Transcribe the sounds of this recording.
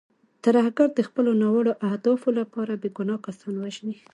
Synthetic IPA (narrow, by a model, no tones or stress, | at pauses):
t̪aɾahɡaɾd̪əxpəlonɑwaɽoʔahd̪ɑfolapɑɾabeɡunɑkasɑnwəʒni